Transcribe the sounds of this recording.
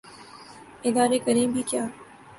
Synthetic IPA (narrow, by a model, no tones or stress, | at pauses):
ɪd̪aːɾekɐɾẽːbʱikjaː